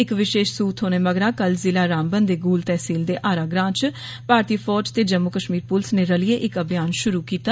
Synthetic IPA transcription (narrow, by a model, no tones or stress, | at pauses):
ɪkʋɪʃeːʃsuːt̪ʰɦoːneːməɡɾãːkəlzɪlaːɾaːmbənd̪eːɡuːlt̪ɛːsiːld̪eːʔaːɾaːɡɾãːt͡ʃ | paːɾt̪iːpʰɔːd͡ʒt̪eːd͡ʒəmːʊkəʃmiːɾpʊlsneːɾəlɪeːʔɪkəbjaːnʃʊɾuːkiːt̪aː